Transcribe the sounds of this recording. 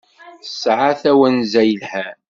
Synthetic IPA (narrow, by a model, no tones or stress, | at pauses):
θsʕaθæwænzæjəlhæ